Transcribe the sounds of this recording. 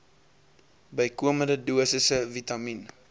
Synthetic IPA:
bəjkuəməndəduəsəsəvitɐmin

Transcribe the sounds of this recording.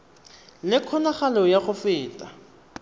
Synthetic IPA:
lɪkʰɔnaχalɔjaχʊfɪːtʼa

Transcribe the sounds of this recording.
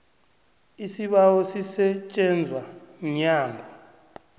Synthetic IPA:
isiɓawɔsisɛt͡ʃʼɛnd͡zʱwaɲaːŋɡʱɔ

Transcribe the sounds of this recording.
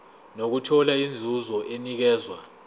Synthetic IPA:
nok̬utʰɔlaind͡zʱuzɔʔenik̬ɛːzwa̰

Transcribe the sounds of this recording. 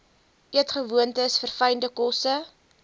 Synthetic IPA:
ʔiətχəvuəntəsfərfəjndəkɔsə

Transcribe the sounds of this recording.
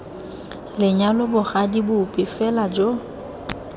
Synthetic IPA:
lɪɲalʊbʊχadibʊpʼɪfɛlad͡ʒo

